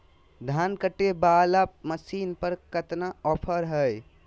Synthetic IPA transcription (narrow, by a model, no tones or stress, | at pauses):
d̪ʱankəʈːebalaməsinpəɾkət̪naɔpʰəɾɦəj